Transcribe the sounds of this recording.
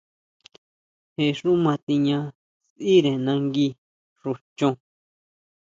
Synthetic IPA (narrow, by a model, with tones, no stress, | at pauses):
he˧ʂu˦mã˧t̪i˧ɲã˧ | si˦ɾẽ˨nã˧ŋɡi˧ | ʐu˧t͡ʃõ˧